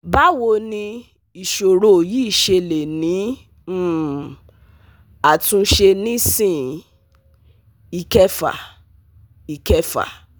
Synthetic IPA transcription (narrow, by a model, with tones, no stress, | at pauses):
ba˦wo˧nĩ˧ | i˨ʃo˨ɾo˨ji˦˨ʃe˧le˨nĩ˨˦ | a˨tũ˧ʃe˧nĩ˦sĩ˦˨ | i˨kɛ˧fa̰˨ | i˨kɛ˧fa̰˨